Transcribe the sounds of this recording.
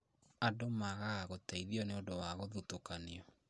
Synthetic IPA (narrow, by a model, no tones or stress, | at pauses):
adomaɣaːɣotaiðiɔneodowaɣoðutokaneɔ